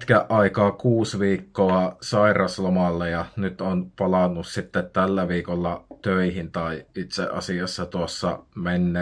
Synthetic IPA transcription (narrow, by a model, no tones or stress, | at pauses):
t̪kæʔʔɑikɑːkuːsʋiːkːoɑsɑirɑslomɑlːejɑnyt̪onpɑlɑnːussit̪ːet̪t̪ælːæʋiːkolːɑt̪øihint̪ɑiit̪sḛʔɑ̰siɑsːɑt̪uosːɑ̰menːe